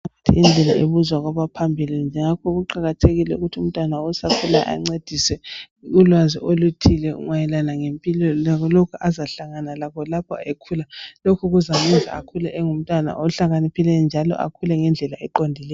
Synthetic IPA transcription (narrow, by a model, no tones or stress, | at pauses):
atʰḭind͡ɮʱɛla̰ʔeβuzwaɣaβapʰambʱilind͡ʒʱɛŋakʰɔɣuǃaɣatʰeɣilɛṵɣutʰium̩tʼwanaɔsakʰulajɛ̰ʔa̰ŋ͡ǀed̥ʱiswɛ | ɣulwaziʔolutʰilɛṵŋwajɛlanaŋempʼilɔlaɣɔlokʰuʔazaɬaŋanalakɔlapʰɔ̰ekʰulalokʰuɣuzamɛnzʱa̰a̰kʰulaʔɛŋum̩tʼwana̰ʔɔɬaɣanipʰilɛjɔnd͡ʒʱalɔ̰ʔa̰kʰulɛŋɛnd͡ɮʱɛlaʔɛǃondʱilɛj